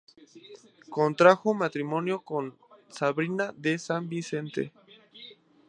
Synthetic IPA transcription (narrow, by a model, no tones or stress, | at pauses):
kont̪ɾaxomat̪ɾimo̞njo̞kon | saβɾinaðesambise̞nt̪ḛ